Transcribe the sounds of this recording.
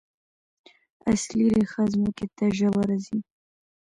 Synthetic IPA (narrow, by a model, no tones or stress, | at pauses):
a̰sliɾeχazmukʲet̪ʰaʒawaɾazi